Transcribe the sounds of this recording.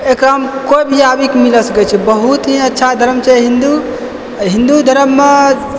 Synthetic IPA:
ekɾaɦəmkojbʱiabikmiləsəkɛt͡ʃʰɛbəɦut̪ɦĩətːʃʰad̪ʱəɾəmt͡ʃɛɦind̪u | ɦĩnd̪ud̪ʱəɾəmːe

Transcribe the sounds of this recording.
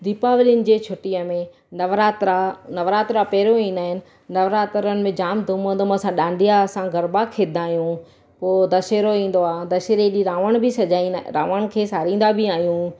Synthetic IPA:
d̪iːpaːʋɪliən̆d͡ʑeːt͡ɕʰʊʈijəmẽ | nɐʋɾaːt̪ɾanɐʋɾaːt̪ɾapɛɦɾoĩːn̆d̪aːɦɪnɪ̆ | nɐʋɾaːt̪ɾənɪ̆mẽd͡ʑaːmd̪ʱʊmə̃nd̪oməsãɗãːɳɖʱijasãɡʱɐɾbakʰeːd̪ʱaːɦjũ | poːd̪ɐʃeːɾoĩːn̆d̪oaːd̪ɐʃeːɾeɗiɾaːʋəɽ̃bʱɪsɐd͡ʑaːiɾa̰ːʋəɽ̃kʰeːsaːɾĩːn̆d̪abɪaːɦijũ

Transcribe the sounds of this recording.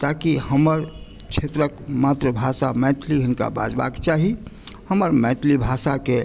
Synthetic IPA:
t̪aːkihəməɾ | kt͡ʃʰet̪ɾəkmaːt̪ɾəbʱaːsamɛ̃ʈʰliɦɪnka̰ba̰ːd͡ʒba̰ːkt͡ʃaːɦihəməɾmɛ̃ʈʰlibʱaːsake

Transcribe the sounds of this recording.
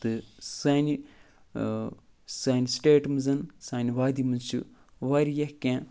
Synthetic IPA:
t̪ɨsaːni | saːnisʈeːʈmɨzɐnsaːnʲiʋaːd̪imɐnt͡ʃṵ | ʋɐɾijɐhkʲẽː

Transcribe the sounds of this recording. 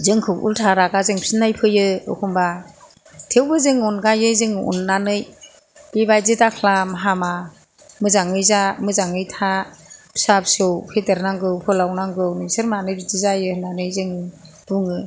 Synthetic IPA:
zɯŋkʰɯk̚ṵltʰaɾaɡazɯŋpʰsinajpʰɯjɯɯ̰kʰumba | tʰewbɯzɯŋunɡajɯjzɯŋṵnːanɯj | b̥ibajzidakʰlamaɦama | mɯzaŋɯjzamɯzaŋɯjtʰapsapsɯwpʰeteɾnaŋɡɯwpʰɯlawnaŋɡɯwnɯsɯɾmanɯjbizizajɯnanɯjzɯŋɯ | b̥uŋɯ

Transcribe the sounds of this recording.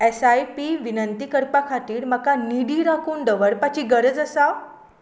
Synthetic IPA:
esajpiʋinənt̪ikəɾpakʰat̪iːɽməkaniɽiːɾakuːɳɖ̪əʋəɽpat͡ɕiːɡəɾəd͡zəsa

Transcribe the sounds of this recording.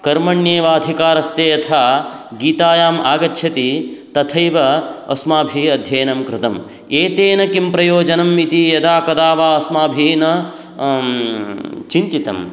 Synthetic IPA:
kɐɾmɐɳjeːʋaːɐd̪ʱikaːɾɐst̪eːɐt̪ʰaːɡiːt̪aːjaːma̰ːɡɐtːʃʰɐt̪it̪ɐt̪ʰɐjʋɐ̰ːsmaːbʱiɐd̪ʱjɐːnɐmkɾɪt̪ɐm | eːt̪eːnɐkimpɾɐjoːd͡ʒɐnɐmit̪ijɐd̪aːkɐd̪aːʋaːɐsmaːbʱiːnɐ | t͡ʃint̪it̪ɐ̰m

